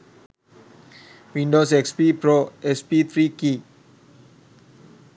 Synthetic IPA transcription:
wĩndosɛkspipɾoɛspit̪ɾiki

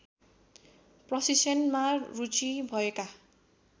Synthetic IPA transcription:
prʌsisʌnmarut͡sibʱʌeka

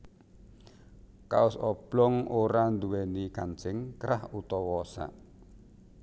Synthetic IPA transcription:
ka̰ʊsɔb̥lɔŋoɾand̪uwɛnikant͡ʃɪŋkɾahut̪ɔwɔsa̰

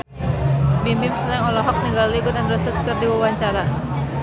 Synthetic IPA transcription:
bimimsənaŋɔlɔɦɔk̚niɡalliɡut̪anrəsəskərdiwawaɲt͡ʃaɾa

